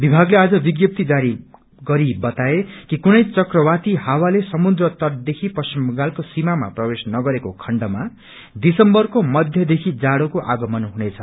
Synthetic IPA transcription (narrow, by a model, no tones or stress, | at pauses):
bibʱaɡlead͡zʌbiɡjʌp̚t̪id͡zaɾi | ɡʌɾibʌt̪aekikunʌjt͡sʌkrʌwat̪ihawalesʌmud̪ɾʌt̪ʌrd̪ekʰipʌsimɡalkosimama̰prʌbesnʌɡʌɾekokʰʌɳɖʌma | d̪isʌmbʌrkomʌd̪ʱjʌd̪ekʰid͡zaɽokoʔaɡʌmʌnɦunet͡sʰʌ